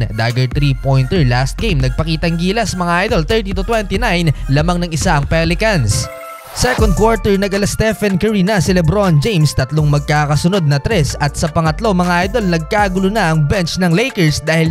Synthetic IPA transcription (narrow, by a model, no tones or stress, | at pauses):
d̪aːɡɐɹt̪ɾipojnt̪ɛɹlast̪̚ɡ̥ejmnɐɡ̚pɐkiːt̪ɐŋɡiːlɐsɐmɐŋaʔajd̪o̞lt̪ɛɹt̪it̪ut̪wɛnt̪inajnlamaŋnɐŋɪsaʔɐŋpɛlɪkɐns | sɛkond̪̚kwaɹt̪ɛɹnɐɡʔɐlɐst̪ɛfɐnkɛɹinɐsɛlɛbɾond͡ʒejmst̪ɐt̪loŋmɐɡ̚kaːkɐsʊno̞d̪̚nɐt̪ɾɛsɐt̪̚sɐpɐŋɐt̪lo̞mɐŋaʔajd̪o̞lnɐɡ̚kaɡʊlonɐʔɐŋbɛnt͡ʃnɐŋlejkɛɹsd̪aːhɪl